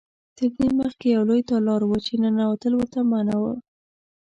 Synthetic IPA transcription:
t̪əɾd̪eməxkejawlojt̪ɑlɑɾwət͡ʃenənawat̪əlwəɾt̪amanawə

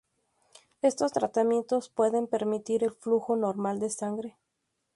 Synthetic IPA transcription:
e̞st̪o̞st̪ɾat̪amje̞nt̪o̞spwe̞ðe̞mpe̞ɾmit̪iɾe̞lfluxo̞no̞ɾmald̪e̞saŋɡɾe̞

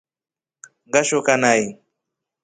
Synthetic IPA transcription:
ŋɡaʃokanaj

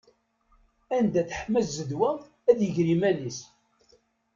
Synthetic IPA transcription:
ænd̪æθə̥ħmæszəðwæ | æðjəʝɾimænis

